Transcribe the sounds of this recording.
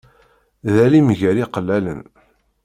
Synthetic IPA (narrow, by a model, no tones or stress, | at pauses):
ðælimʝəɾiqəlːælə̰n